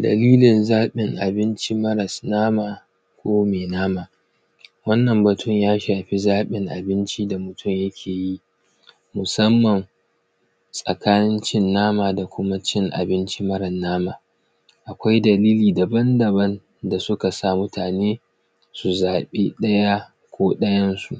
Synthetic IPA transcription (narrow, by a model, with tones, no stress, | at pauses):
dɐ̰˨liː˦lɪ˨nzaː˦ɓɪ˨ŋʔa̰˨bɪ˦nt͡ʃi˦mɐ˦ɾɐ˨snaː˦maː˨ | kʷoː˦meː˨naː˦maː˨ | wɐ˦nːɐ˨mbɐ˨tʊ˦˨ɲjaː˦ʃaː˨ɸi˦zaː˦ɓɪ˨ŋʔa̰˨bɪ˦nt͡ʃi˦da˨mʊ˨tʰʊ˦˨ɲjɐ˦kʲʰeː˨ji˦ʔ | mʊ˨sɐ˦mːɐ˨ŋ | sʼɐ˨kaː˦nɪ˦nt͡ʃɪ˦nːaː˦maː˨da˨kʷʊ˦ma˦t͡ʃɪ˦ŋʔa̰˨bɪ˦nt͡ʃi˦mɐ˦ɾɐ˨nːaː˦maː˨ | ʔa˨kʷa˦jdɐ˨liː˦liː˨dɐ˨bɐ˦ndɐ˨bɐ˦n | da˨sʊ˦ka˨sa˦˨mʊ˦tʰaː˨neː˦ | su˨zaː˨ɓeː˦ɗɐ˦ja˦ | kʷoː˦ɗɐ˦jɐ˦nsu˨ʔ